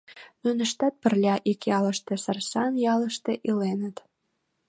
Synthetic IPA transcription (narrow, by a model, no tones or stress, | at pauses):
nunəʃt̪æt̪̚pə̆rlʲɑʔikjɑləʃt̪esɑrsɑnjɑləʃt̪eʔilenət̪